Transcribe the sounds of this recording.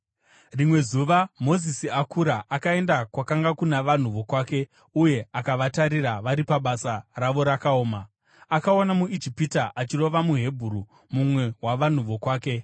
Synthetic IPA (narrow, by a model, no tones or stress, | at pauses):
rimwe̞zuʋamo̞zisiakuɾaʔakae̞ndakwakaŋɡakunaʋan̤uʋo̞kwaːke̞ | uje̞akaʋataɾiraʋaɾipaɓasaraʋo̞ɾakaoːma | akaonamuid͡ʒipitaʔat͡ʃiro̞ʋamuɦe̞bʱuɾu | mumwe̞waʋan̤uʋo̞kwaːke̞